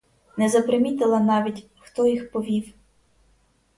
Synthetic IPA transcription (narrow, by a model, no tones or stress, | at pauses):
nɛzɐpɾemʲit̪ɪlˠɐnɑʋʲitʲ | xt̪ɔjixpɔʋʲiw